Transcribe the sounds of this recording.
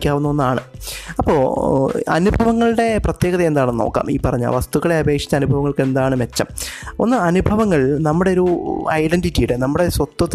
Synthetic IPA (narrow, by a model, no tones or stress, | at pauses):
kʲːaːʋunːɐonːaːɳɨɐpːo̞ːɐ̰nubʱɐʋɐŋːɐɭɨɽe̞prɐt̪je̞ːɣɐðɐend̪aːɳno̰ːkːa̰ːmḭːpːɐrɐɲːa̰lʋɐst̪uɣɐɭe̞ɐbe̞ːkʂi̥t͡ɕːɐnubʱɐʋɐŋːɐɭke̞nd̪aːɳɨmet͡ɕːɐ̰mo̞̰nːɨɐnubʱɐʋɐŋːɐɭnɐmːuɽe̞oɾuɐjɖenditːijuɽenɐmːuɽe̞sʋɐt̪ːwɐt̪ː